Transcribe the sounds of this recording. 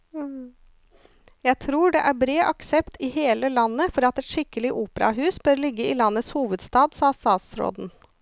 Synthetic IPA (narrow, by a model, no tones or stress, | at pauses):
jæɪt̪ʰɾuːɖɛʔæɾbɾeːʔɑksɛpt̪ɪheːləlɑnːəfɔɾɑt̪ɛt̪ʂɪkːəlɪʔuːpəɾɑ̰ɦʉːsbœɾlɪɡːəɪlɑnːət̪shuːʋəd̪st̪ɑːd̪sɑːsɑːsɾo̰ːd̪n̩